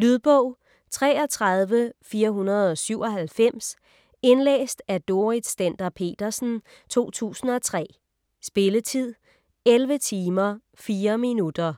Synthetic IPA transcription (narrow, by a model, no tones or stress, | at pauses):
lyð̞ˠb̥ɔʊ̰ | t͡sʰʁɛːɒ̽t͡sʰʁɑ̈ð̞ˠʋəfiːɐɦunɐð̩ˠɒ̽syʊ̰ɒ̽ɦælfem̰s | e̝nlḛːsd̥æd̥o̝ʁid̥sd̥end̥ɐpʰe̝̰ːd̥ɐsn̩ | t͡sʰo̝̰ːt͡sʰṵːsn̩ɒ̽t͡sʰʁɛ̰ː | sb̥e̝lət͡sʰið̞̰ˠ | elʋət͡sʰiːmɐ | fiːɐminud̥ɐ